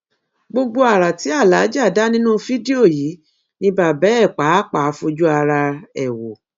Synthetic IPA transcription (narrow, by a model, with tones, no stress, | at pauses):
ɡ͡bo˧ɡ͡bo˧a˨ɾa˨ti˨˦a˦˨la˨˦d͡ʒa˦˨da˦nĩ˦nũ˦fi˦di˦o˦˨ji˨˦ | nĩ˧˦ba˨bɛ˨˦ɛ˦˨k͡pa˨˦k͡pa˨˦fo˧d͡ʒu˦a˧ɾa˧ɛ˨wo˨